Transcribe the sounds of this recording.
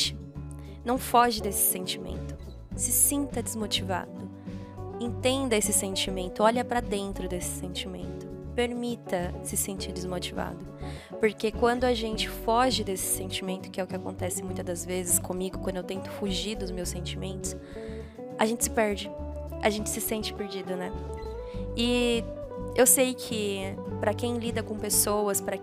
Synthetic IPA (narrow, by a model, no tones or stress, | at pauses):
t͡ʃɪ̥ | nɐ̃w̃fɔʒɪd̪esɪ̥sẽnt͡ʃimḛ̃nt̪ʊ̥ | sɪsĩnt̪ɐd͡ʒ̪ɪzmot͡ʃiva̰d̪ʊ | ẽnt̪ẽnd̪ɐesɪsẽnt͡ʃimẽnt̪ʊɔʎɐpɾɐd̪ẽnt̪ɾʊd̪esɪ̥sẽnt͡ʃimḛ̃nt̪ʊpeɾmit̪ɐsɪsẽnt͡ʃiɾd͡ʒɪzmot͡ʃiva̰d̪ʊ | poɾkekwɐ̃nd̪ʊɐʒẽnt͡ʃɪ̥fɔʒɪd̪esɪ̥sẽnt͡ʃimẽnt̪ʊ̥kɪɛʊkɪakõnt̪ɛsɪmũj̃t̪ɐd̪ɐzvezɪskõmiɡʊkɐ̃d̪ʊewt̪ẽnt̪ʊ̥fuʒiɾd̪ʊzmewsẽnt͡ʃimẽnt̪ʊs | ɐʒẽnt͡ʃɪ̥sɪ̥pɛɾd͡ʒɪ | ɐ̰ʒẽnt͡ʃɪ̥sɪsẽnt͡ʃɪ̥peɾd͡ʒid̪ʊnɛ | ɪ | ewsejkʰɪpɾɐkẽj̃lid̪ɐkõpesowɐspɾɐ